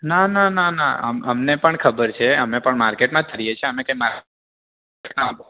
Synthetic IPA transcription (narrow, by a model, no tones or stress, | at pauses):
nanãnãnã̰ə̰məmnepəɳkʰəbəɾt͡ʃʰeəmepəɳmaɾkeʈmãt̪ʰəɾijet͡ʃʰeəmekãimaɾa | ʈnaapo